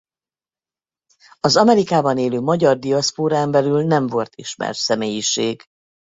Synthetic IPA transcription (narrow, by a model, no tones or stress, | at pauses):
ɒzɒmɛɾikaːbɒneːløːmɒɟɒrd̪iɒspoːɾaːmbɛlylnɛɱvo̞lt̪ʰiʃmɛ̰rt̪sɛmeːjiʃeːɡ